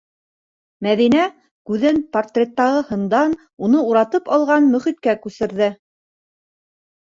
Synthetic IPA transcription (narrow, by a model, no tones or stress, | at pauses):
mæðinæ | kʉðɘnport̪rʲet̪ːɑʁɤhɤ̆nd̪ɑn | unɤuɾɑt̪ɤpɑlˠʁɑnmɵ̆χit̪kækʉsɘ̆ɾðɘ